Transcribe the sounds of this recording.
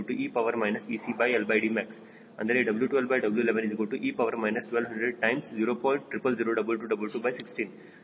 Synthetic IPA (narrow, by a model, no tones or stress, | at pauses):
ɭʈuʔiːpɐʋɐɾmɐjnɐsiːsiːbɐjelbɐajɖiːmɛks | ɐ̰̃nd̪ɐɾeɖɐbljuʈuʋelbɐjɖɐbəljuleʋẽnizikɐɭʈuʔiːpɐʋɐɾmɐjnɐsʈʋelʋɦɐ̃ɳɖɾeɖ̚ʈɐ̃jmsziːɾoːpɔjɳʈʈɾipɐld͡ʒiɾoːɖɐbəlʈuːɖɐbəlʈuːbɐjsiksʈĩːn